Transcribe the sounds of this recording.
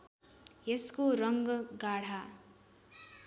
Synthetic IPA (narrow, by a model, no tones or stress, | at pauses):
jeskoɾʌŋɡʌɡaɽ̤a